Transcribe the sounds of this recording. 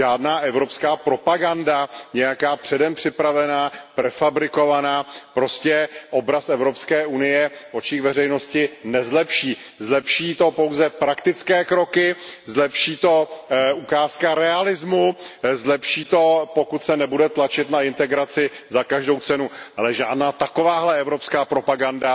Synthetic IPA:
ʒaːdnaːʔɛvɾo̞pskaːpɾo̞paɡandaɲɛjakaːpr̝̥ɛdɛmpr̝̥ɪpɾavɛnaːpɾɛfabɾɪko̞vanaːpɾo̞scɛʔobɾasɛvɾo̞pskɛːʔunɪjɛʔo̞t͡ʃiːxvɛrɛjno̞scɪnɛzlɛpʃiː | zlɛpʃiːt̪o̞po̞wzɛpɾakt̪ɪt͡skɛːkɾo̞kɪzlɛpʃiːt̪o̞ʔukaːskaɾɛalɪzmuzlɛpʃiːt̪o̞po̞kut̪sɛnɛbudɛt̪lat͡ʃɪt̪naɪnt̪ɛɡɾat͡sɪzakaʒdo̞wt͡sɛnualɛʒaːdnaːt̪ako̞vaːɦlɛɛvɾo̞pskaːpɾo̞paɡanda

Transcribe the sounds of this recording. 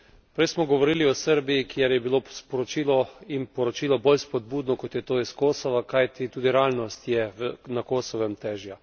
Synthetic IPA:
pɾɛjsmɔɡɔʋɔɾiliɔsəɾbijikjɛɾjɛbiloːspɔɾɔt͡ʃiːlɔinpɔɾɔt͡ʃiːlɔbolspɔd̪̚buːd̪nɔkɔt̪jɛt̪oːiskoːsɔʋakajt̪it̪uːd̪iɾɛaːlnɔst̪jɛnakoːsɔʋɛmt̪ɛːʒja

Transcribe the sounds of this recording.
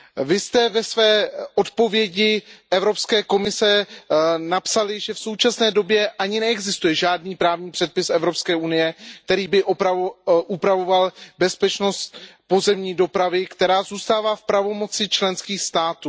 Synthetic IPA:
vɪst̪ɛvɛsvɛːʔo̞t̪po̞vjɛɟɪʔɛvɾo̞pskɛːko̞mɪsɛ | napsalɪʒɛfso̞wt͡ʃasnɛːdo̞bjɛʔaɲɪnɛɛɡzɪst̪ujɛʒaːdniːpɾaːvɲiːpr̥ɛt̪̚pɪsʔɛvɾo̞pskɛːʔunɪjɛk̚t̪ɛɾiːbɪʔpaʔupɾavo̞valbɛspɛt͡ʃno̞st̪po̞zɛmɲiːdo̞pɾavɪkt̪ɛɾaːzuːst̪aːvaːfpɾavo̞mo̞t͡sɪt͡ʃlɛnskiːxst̪aːt̪uː

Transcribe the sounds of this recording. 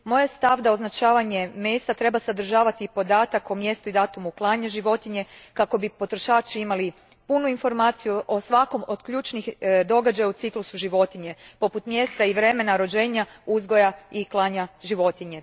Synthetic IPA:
mo̞jest̪aʋd̪ao̞znat͡ʃaːʋaɲe̞me̞ːst̪at̪ɾe̞basad̪ɾ̩ʒaːʋat̪ipo̞d̪aːt̪akomje̞st̪uid̪aːt̪umuklˠaːɲaʒiʋo̞t̪iɲe̞kako̞bipo̞t̪ɾo̞ʃaːt͡ʃiimali | punuinfo̞ɾmaːt̪sijuʔo̞sʋako̞mo̞d̪̥kʎuːt͡ʃnixd̪o̞ɡad͡ʒajaut̪siklusuʒiʋo̞t̪iɲe̞po̞put̪mje̞st̪aiʋɾe̞me̞naɾo̞d͡ʒe̞ːɲauzɡo̞jaiklˠaɲaʒiʋo̞t̪iɲe̞

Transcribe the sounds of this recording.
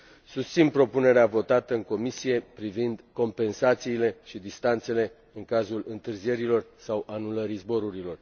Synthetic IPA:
sust̪sinpɾo̞pune̞ɾeavo̞t̪at̪əɨŋko̞misije̞pɾivind̪ko̞mpe̞nsat̪siːle̞ʃid̪ist̪ant̪se̞le̞ | ɨŋkazulɨnt̪ɨrzie̞ɾilo̞rsawʔanuləɾizbo̞ɾuɾilo̞r

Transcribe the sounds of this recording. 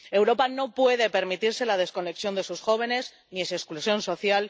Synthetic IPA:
e̞wɾo̞pano̞pwe̞ð̞e̞pe̞ɾmit̪iɾse̞lað̞e̞sko̞ne̞ksjo̞nd̪e̞susxo̞βe̞ne̞s | njesesklusjo̞nso̞θjal

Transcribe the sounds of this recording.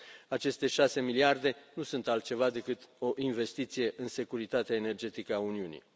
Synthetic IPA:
at͡ʃe̞st̪e̞ʃase̞miliard̪e̞nusunt̪alt̪̚t͡ʃe̞vad̪e̞kɨt̪o̞ʔinve̞st̪it̪sije̞ʔɨnse̞kuɾit̪at̪eaene̞rd͡ʒe̞t̪ikəauniunḭ

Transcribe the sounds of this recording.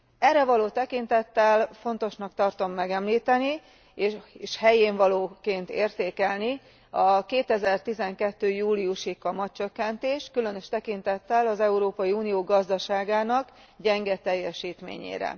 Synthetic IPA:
ɛrːɛvɒloːt̪ɛkint̪ɛt̪ːɛlfo̞nt̪o̞ʃnɒkt̪ɒrt̪o̞mːɛɡɛmliːt̪ɛni | eʃhɛjeːɱvɒloːkeːnt̪ḛːrt̪eːkɛlni | ɒkeːt̪ɛzɛrt̪izɛŋkɛt̪ːøːjuːliuʃikɒmɒt̪t͡ʃø̞kːɛnt̪eːʃkylø̞nø̞ʃt̪ɛkint̪ɛt̪ːɛlɒzɛuɾoːpɒjiuːnijoːɡɒzd̪ɒʃaːɡaːnɒk | ɟɛŋɡɛt̪ɛjːɛʃiːt̪mḛːɲḛːɾɛ̰

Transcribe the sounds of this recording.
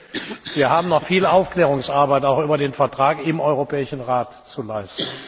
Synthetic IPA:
viːɐhaːbm̩nɔχfiːlaʊfkl̥ɛːʁʊŋsʔaɐbaɪtaʊxʔyːbɐdeːnfɛɐtʁ̥aːkɪmʔɔʏʁopɛːɪʃn̩ʁaːt | t͡sulaɪstn̩

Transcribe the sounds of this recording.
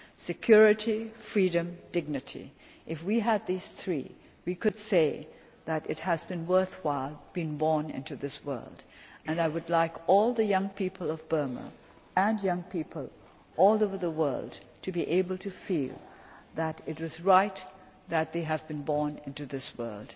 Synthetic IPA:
sɨkʰj̥ʊɹɨɾifɹiɾɨ̃md̥ɪɡ̚nɨɾʰḭ | ʔɨfwiɨd̪̚ðiz̥θɹḭ | wikɨd̥seɪ | ðɨɾɨ̰t̚hɨzbɨ̃nwɜ˞θwaɪlˠb̥ɨ̃nbɔɹnɪ̰̃ntʉðɪswɜ̰˞lˠd | ɨ̃naɪwɨdˡlaɪkɔlˠðɨjʌ̃ŋpʰipʰəl̩ˠʌvbɜ˞mə̰ | ə̃njʌ̃ŋpʰipʰəlˠ | ʔɔlˠoʊvə˞ðəwɜ̰˞lˠdtʰɨbiʔeɪbəl̩ˠtʰɨfilˠðɨɾɨt̚wʌzɹaɪt̪̚ | ðɨt̪̚ðeɪɨvbɨ̃nbɔɹnɪ̃ntʉðɪswɜ̰˞lˠd̥

